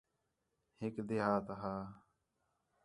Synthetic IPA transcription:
hɪkd̪ɪɦaːt̪ɦaː

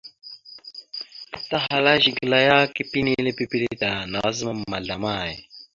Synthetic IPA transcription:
t̪ɐɦɐlaɕiɡilɐjaːkipinilepipiɾet̪anaːzmɐmːɐɮɐmaːj

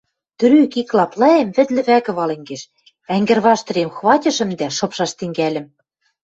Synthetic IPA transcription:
t̪ɘ̆ɾykiklɑplɑemβɘ̆t̪lɘ̆βækɘ̆βɑlĕŋɡeʃ | æŋɡɘ̆rβɑʃt̪ɤ̆ɾemxβɑtʲɤ̆ʃɘ̆md̪æʃɤ̆pʃɑʃt̪ɘ̆ŋɡælʲɘ̆m

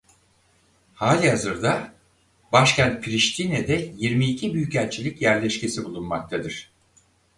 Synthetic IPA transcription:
haːlʲiɦazɯɾd̪a | baʃcʰænt̪̚pʰiɾiʃt̪ʰinɛd̪ɛjiɾmiːcʰibyjycælʲt͡ʃʰilʲicjæɾlʲɛʃcesibulˠunmak̚t̪ʰad̪ɯɾ̥

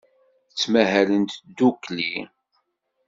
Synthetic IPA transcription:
ət͡sːmæɦælənt̪d̪ukli

